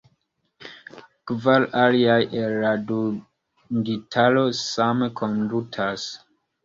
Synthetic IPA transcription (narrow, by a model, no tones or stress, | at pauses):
kvalaliajʔelːadu | ditʰalo̞samekʰondutʰas